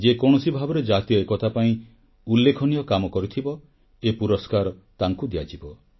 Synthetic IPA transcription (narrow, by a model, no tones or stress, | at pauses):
d͡ʒekɔɽ̃ɔsibʱabɔɾɔd͡ʒat̪ijɔekɔt̪ʰapaĩ | ulːekʰɔnijɔkamɔkɔɾut̪ʰibɔ | epuɾɔskaɾɔt̪aŋkud̪ijad͡ʒibɔ